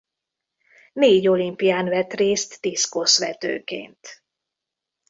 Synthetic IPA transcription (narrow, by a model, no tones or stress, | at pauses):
neːɟo̞limpijaːnvɛt̪reːst̪ːiskosʋɛt̪ø̰ːkḛːnt̪